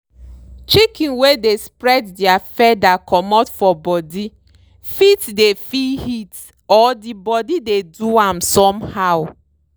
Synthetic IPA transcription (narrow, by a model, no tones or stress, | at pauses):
t͡ʃikĩnwedespɾɛddjafɛdakʰɔmɔtfɔbɔdi | fitdefihit | ɔdibɔdideduamsɔmhaʊ